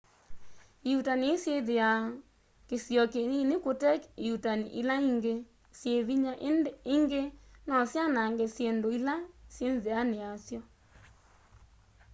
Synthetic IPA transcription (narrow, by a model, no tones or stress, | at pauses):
ejutaniesjeðea | kesjɔkeninekotɛkejutaniʔilaiŋɡe | sjeβiɲaʔiŋɡenɔsjanaŋɡɛsjendoilasjenzeaneasjɔ